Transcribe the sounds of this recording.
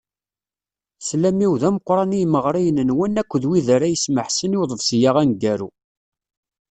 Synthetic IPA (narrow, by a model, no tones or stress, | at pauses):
slæmiwðæməqːɾˤɑnijməʁɾˤijənənwənːækʷːðwiðəɾæjəsməħsəniwðˤəvsjaʁænɡæɾṵ